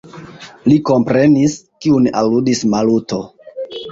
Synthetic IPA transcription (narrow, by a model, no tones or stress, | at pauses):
liko̞mpɾe̞niskiunaludismaluto̞